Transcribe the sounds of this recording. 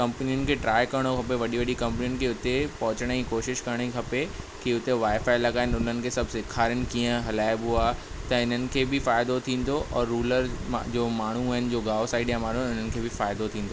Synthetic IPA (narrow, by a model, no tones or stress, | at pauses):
kɐ̃mpniʊnɪ̆kʰeʈɾaːjkɐɾəɽ̃okʰɐpeʋɐɗiʋɐɗikɐ̃mpnijʊnɪ̆kʰeʊt̪epɐɦʊ̃t͡ɕəɽ̃ikoːʃɪʃkɐɾəɽ̃ikʰɐpe | kiʊt̪eʋaːɪfaːɪlɐɡaːɪnʊn̤ənɪ̆kʰesɐbʱsɪkʰaːɾjənɪ̆kiːə̃ɦɐlaːɪbɦuaː | t̪ɐɪn̤ənɪ̆kʰebʱɪfaːɪd̪ot̪ʰĩːn̆d̪oʔɔːɾːuːləɾm̰d͡ʑoːmaːɳ̤ũɪnɪ̆d͡ʑoːɡaːosaːɪɖjamaːn̤uʊn̤ənɪ̆kʰebʱɪfaːɪd̪ot̪ʰĩːnd̪oː